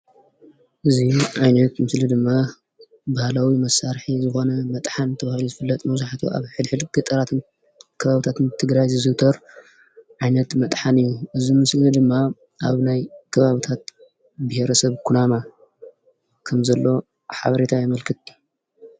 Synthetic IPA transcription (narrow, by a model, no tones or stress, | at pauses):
ʔɨziuʕajnɐt̪mɨslid̪ɨmːa | bahlawimɐsːaɾħizɨxo̞nɐmɐt̪ʼħant̪ʰɐβahɨluzɨfɨlːɐt̪ʼmɐzaħt̪ʰuʔa̰βħɨd̪ħɨd̪ɡɨt̪ʼɐɾat̪ʰɨn | kʰɐβaβɨt̪ʰat̪ɨnt̪ʰɨɡɾajzɨzɨt̪ʰɐɾ | ʕajnɐt̪mɐt̪ʼħanɨjːuʔɨzimɨslid̪ɨmːa | ʔaβnajkʰɐβaβɨt̪ʰat̪ | bɐheɾɐsɐβkʰunama | kʰɐmzɐlːo̞ | ħa̰βɐɾet̪ʰajɪmɐlkʰɨt̪̚